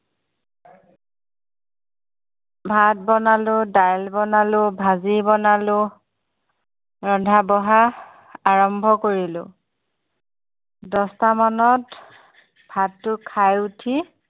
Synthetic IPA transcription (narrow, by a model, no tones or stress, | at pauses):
bʱat̚bɔnalʊdajlbɔnalʊbʱazibɔnalʊ | ɹɔndʱabɔɦa | aɹɔmbʱɔkoɹilʊ̰̃ | dɔstamanɔt | bʱatːʊkʰajutʰi